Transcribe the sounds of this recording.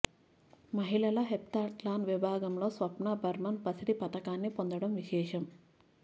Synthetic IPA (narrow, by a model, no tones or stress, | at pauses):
mɐɦilɐlɐɦep̚t̪aːʈlaːnʋibʱaːɡɐmlo̞ːsʋɐpnɐbʱɐɾmɐnpɐsid̪ipɐt̪ɐkaːnːipond̪ɐɽɐmʋiʃɛːʂɐm